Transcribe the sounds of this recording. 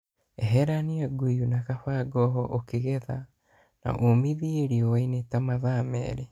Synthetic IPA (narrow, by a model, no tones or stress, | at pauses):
ɛɦɛɾaniaɡujunakafaɡɔɦɔʔokeɣɛða | na̰ʔomiðieɾiɔwainetamaðamɛ̰ːɾe